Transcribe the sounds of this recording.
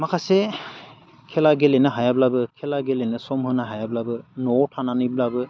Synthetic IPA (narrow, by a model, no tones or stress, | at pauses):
makʰasɛ | kʰɛlaɡelenɯɦajablabɯkʰɛlaɡelenɯsɔmhɯnaɦajablabɯnɔtʰananɯblabɯ